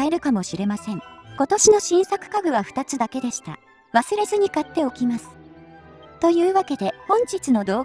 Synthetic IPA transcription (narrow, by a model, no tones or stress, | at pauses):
eɾɯ̟kamo̞ɕiɾe̞masẽ̞ŋko̞t̪o̞ɕino̞ɕĩɰ̃sakɯ̟̥kaɡɯ̟βaɸɯ̟̥t̪at͡sɨd̪ake̞d̪e̞ɕi̥t̪a̰ | βasɨɾe̞zɨɲ̟ikat̪ːe̞o̞kʲimasɨ̥ | t̪o̞jɯ̟ːβake̞d̪e̞hõ̞ɲ̟t͡ɕit͡sɨno̞d̪o̞ː